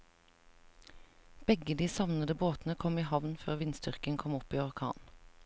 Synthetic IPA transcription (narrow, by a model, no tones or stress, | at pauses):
b̥ɛɡəd̪iːsɑʋnəd̪əboːt̪nəkʰɔmiːhɑʋnfø̰ːʁʋɪnst̪ʏʁkəŋkʰɔmɔpiːɔʁkʰɑ̰ːn